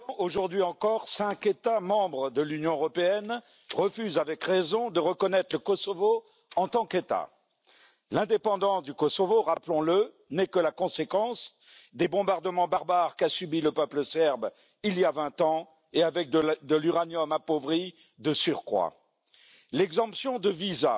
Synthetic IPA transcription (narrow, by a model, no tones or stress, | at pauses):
oʒuʁd̪ɥiɑ̃kɔʁsɛ̃ket̪amɑ̃bʁəd̪əlynjɔ̃øʁɔpeɛn | ʁəfyzavɛkʁɛzɔ̃d̪əʁəkɔnɛt̪χləkɔsɔvo | ɑ̃t̪ɑ̃ket̪a̰ | lɛ̃d̪epɑ̃d̪ɑ̃sd̪ykɔsɔvoʁaplɔ̃lə | nɛkəlakɔ̃sekɑ̃s | d̪ebɔ̃baʁd̪əmɑ̃baʁbaʁkasybiləpœpləsɛʁb | ilijavɛ̃t̪ɑ̃ | eavɛk̪̚d̪əlyʁanjɔmapovʁi | d̪əsyʁkχwa̰ | lɛɡzɑ̃psjɔ̃d̪əviza